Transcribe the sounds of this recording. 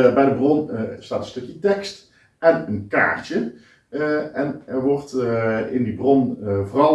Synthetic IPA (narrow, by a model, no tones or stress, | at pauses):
bɛjdəbronsta̰ːtənstɵkjətɛkst | ɛnənka̰ːɹtjə | ɛnɛɹʋɔɹtɪndibrɔnvorɑl